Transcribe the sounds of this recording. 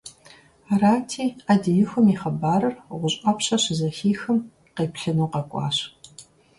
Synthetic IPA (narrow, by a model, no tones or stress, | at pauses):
araːtʰiːadijɪxʷʊmiːχɐbaːɾɐrʁʷʊɕʼɐpɕɐɕɪzɐxiːxɨm | qeːpɬɨnuːqɐkʷʼɑ̰ːɕ